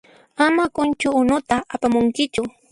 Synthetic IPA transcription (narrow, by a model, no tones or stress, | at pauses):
amakʊnt͡ʃʊːnʊt̪aapamʊŋkɪt͡ʃʊ